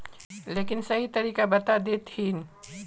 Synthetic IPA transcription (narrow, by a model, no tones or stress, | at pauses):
leːkɪnsɐɦit̪ɐɾiːkabɐt̪ad̪eːt̪hiːn